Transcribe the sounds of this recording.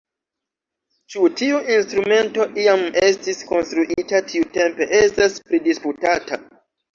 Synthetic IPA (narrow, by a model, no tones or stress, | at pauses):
t͡ʃutiuʔinstɾume̞nto̞ʔiame̞stisko̞nstɾuʔitatʰiute̞mpe̞ʔestaspɾidisputata